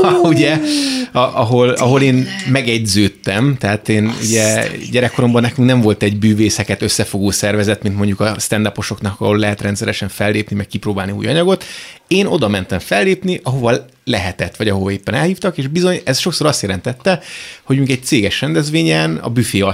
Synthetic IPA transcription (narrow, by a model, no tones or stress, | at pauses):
ɒuɟɛɒʔɒɦo̞lɒ̰ɦo̞leːnmɛɡɛɟzøːt̪ːɛmt̪ɛɦaːt̪eːnṵɟɛɟɛɾɛkːoɾo̞mbɒnːɛkyŋknɛɱvo̞lt̪ɛɟbyːveːsɛkɛt̪ø̞sːɛfo̞ɡoːsɛrvɛzɛt̪mint̪mo̞ɲɟukɒst̪ɛnd̪ɒpo̞ʃo̞knɒkɒ̰ɦolːɛɦɛt̪rɛnt̪sɛɾɛʃɛɱfɛlːeːpnimɛkkiproːbaːlniṵːjɒɲɒɡo̞t̪eːno̞d̪ɒmɛnt̪ɛɱfɛlːeːpniʔɒɦo̞vɒ | lɛɦɛt̪ɛt̪ːʋɒɟɒɦo̞vɒeːpːɛnɛlhiːft̪ɒkeːʒbizo̞ɲɛsʃo̞ksoːɾɒst̪jɛlɛnt̪ɛt̪ːɛho̞ɟmiːŋkɛc̚t̪seːɡɛʃrɛnd̪ɛzvʋeːɲɛnɒ̰byfeːɒ